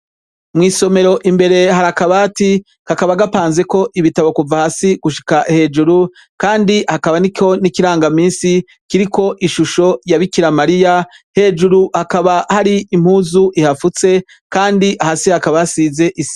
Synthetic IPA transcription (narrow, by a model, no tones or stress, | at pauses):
mŋiːso̞me̞ɾo̞ʔimbe̞ɾe̞ɦaɾakaβaːti | kakaβaɡapaːnze̞ko̞ʔiβitaβokuvahasiɡ̥uʃi̥kahe̞ːd͡ʒuɾu | kaːndihakaβanikʲo̞nikiɾaːŋɡamiːnsi | kiɾiko̞ʔiʃuʃo̞jaβikiɾamaɾija | he̞ːd͡ʒuɾuhakaβahaɾiːm̥huːzuʔihafut͡se̞ | kaːndiʔahasihakaβaasize̞ʔisi̥